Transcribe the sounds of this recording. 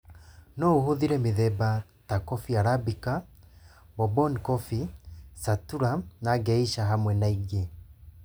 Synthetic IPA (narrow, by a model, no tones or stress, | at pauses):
nɔohoðiɾɛmeðɛbatakɔfiaɾabika | bɔbɔnkɔfisatuɾanaɡɛiʃaɦamwɛnaiɡe